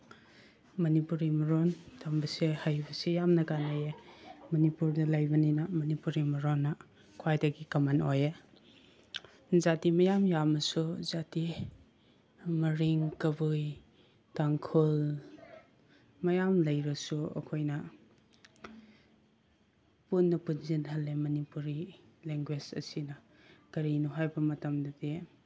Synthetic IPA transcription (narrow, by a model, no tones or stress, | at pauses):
mɐnipuɾimɐɾontʰambɐsehajbɐsejamnɐkanajemɐnipuɾdɐlajbɐninɐmɐnipuɾimɐɾonːɐ | kʰwajdɐɡikɐmanoje | zatimɐjamjamɐsuzati | mɐɾiŋkɐbuj | taŋkʰul | mɐjamlɐjɾɐsuɐ̰kʰojnɐ | punːɐpunzinɦɐlːemɐnipuɾileŋɡwed͡ʒɐ̰sinɐ | kɐɾinuɦajbɐmɐtɐmdɐde